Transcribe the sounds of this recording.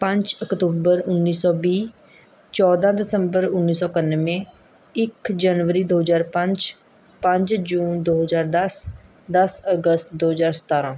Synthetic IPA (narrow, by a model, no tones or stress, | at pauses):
pə̃ɲd͡ʒəkt̪uːbəɾʊnːiːsɔːbiː | t͡ʃɔːd̪ãːd̪ɪsəmbəɾʊnːiːsɔːkənːʋẽː | ɪkd͡ʒanʋəɾiːd̪oːɦəzaːɾpə̃ɲd͡ʒ | pə̃ɲd͡ʒd͡ʒuːnd̪oːɦəzaːɾd̪əs | d̪əsəɡəst̪d̪oːɦəzaːɾsə̥t̪aːɾãː